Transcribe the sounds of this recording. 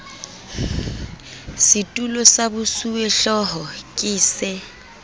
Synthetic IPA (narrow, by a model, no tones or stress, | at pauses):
sɪtʼulɔsabʊsuweɬɔɦɔkʼɪːsɪ